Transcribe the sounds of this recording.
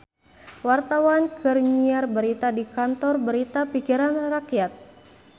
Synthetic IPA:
wart̪awankərɲiarbəɾit̪adikant̪ɔrbəɾit̪apikiɾanrakjat̪̚

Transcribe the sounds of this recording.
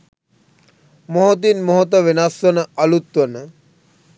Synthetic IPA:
moɦot̪̬inmoɦot̪̬əʋenasʋənəɐlut̪ʋənə

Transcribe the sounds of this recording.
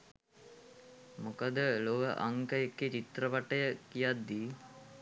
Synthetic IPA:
mukad̪əloʋəʔaŋkəjekːet͡ʃit̪rəʋaʈəjəkijad̪ːi

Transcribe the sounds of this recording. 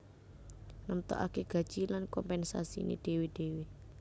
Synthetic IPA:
nəmt̪ɔ̰ʔa̰keɡ̥ä̤d̥ʒ̥ilankɔmpɛnsa̰sḭnḛɖ̥e̤weɖ̥ewe

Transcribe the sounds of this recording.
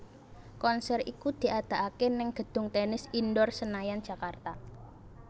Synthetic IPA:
kɔnsɛrḭkud̪̥i̤ʔad̪̥a̤ʔakenɛŋɡ̥ə̤d̪̥ʊ̤ŋt̪ɛnɪsindɔrsənajand̥d͡ʒʒ̥a̤kart̪a

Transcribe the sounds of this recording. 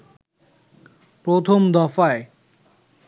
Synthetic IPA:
pɾot̪ʰomd̪ɔfae

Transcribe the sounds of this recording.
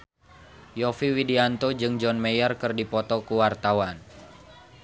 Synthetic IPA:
jɔfiwidiant̪od͡ʒɨŋd͡ʒɔnmejɔrkɨrdipɔt̪ɔkuwart̪awan

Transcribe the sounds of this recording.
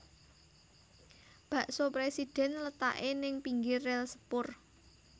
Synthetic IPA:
b̥ä̤ʔsopɾesid̥ɛ̤nlət̪a̰ʔenɪŋpiŋɡɪrːɛlsə̥pʊr

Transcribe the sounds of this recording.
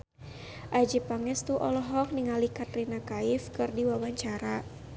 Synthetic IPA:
ʔad͡ʒipaŋɛst̪uʔɔlɔɦɔk̚niŋalikat̪ɾinakaifkɨrdiwabaɲt͡ʃaɾa

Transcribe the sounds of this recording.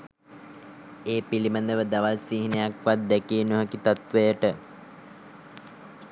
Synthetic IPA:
eːpilimənd̪əʋəd̪aʋalsiɦinəjakʋat̪̚d̪ɛkiːnuɦəkit̪at̪ʋejəʈə

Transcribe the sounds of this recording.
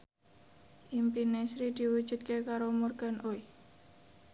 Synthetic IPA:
ʔimpinɛsɾid̪̥i̤wud̥ʒ̥ṳt̪̚kekaɾomurɡ̥a̤noi

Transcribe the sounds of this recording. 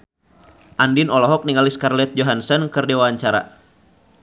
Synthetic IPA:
ʔandinɔlɔɦɔk̚niŋaliskarlɛt̪̚d͡ʒoɦansɔnkɨrdewaɲt͡ʃaɾa̰

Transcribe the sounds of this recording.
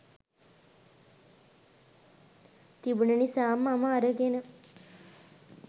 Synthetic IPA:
t̪ibunənisaːmaməːɾəɡenə

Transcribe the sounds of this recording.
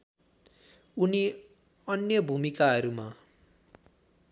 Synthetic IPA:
uni | ʌnjʌbʱumikaɦʌɾuma

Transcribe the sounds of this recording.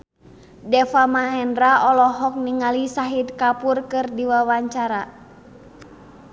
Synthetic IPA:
dɛfamaɦɛndraʔɔlɔɦɔk̚niŋalisaɦidkapurkɨrdiwawaɲt͡ʃaɾa

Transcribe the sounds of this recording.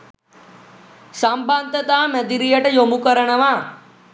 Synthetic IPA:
sambant̪ət̪aːmɛd̪iɾijəʈəjomukəɾəɳəʋaː

